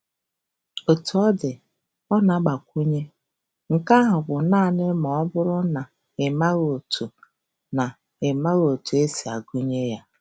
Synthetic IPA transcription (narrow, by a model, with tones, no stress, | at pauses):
o˨tu˨ɔ˦dɪ˨ | ɔ˦na˨˦ɡ͡ba˨kʷu˦ɲe˦ | ŋ̩˨ka˦ɦʊ˨ɡʷʊ˨naː˦˨nɪ˦mɔ˨ɔ˦bʊ˦ɾʊ˦na˨ | ɪ˨ma˦ɣo˨tʰu˨ | na˨ | ɪ˨ma˦ɣo˨tu˨e˦si˨a˨ɡu˦ɲe˦ja˦